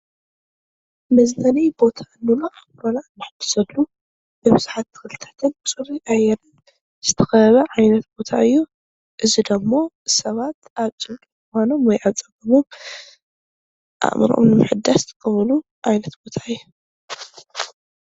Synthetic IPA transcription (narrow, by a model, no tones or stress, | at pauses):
mɐznɐnijbo̞t̪ʰanːunaʔamɾolanːɨħɨd̪̥ɨ̥sɐlːu | bɨβɨzuħat̪ːɨ̥xɨlɨt̪ʰɐt̪ʰɨnt͡sʼɨɾiʔajɛnɨn | z̥ɨt̪ʰɐxɐβɐʕajnɐt̪b̥o̞t̪ʰaɨjːu | ʔɨzid̪ɐmːo̞ | sɐβat̪aβt͡sʼɨβkʼiɨxano̞mwɔjʔaβt͡sʼɐɡɐmom | ʔa̰mɾo̰mnɨmɨħɨd̪ːast̪ʰɨkʼɐβɐlu | ʕajnɐt̪b̥o̞t̪ʰaɨjːu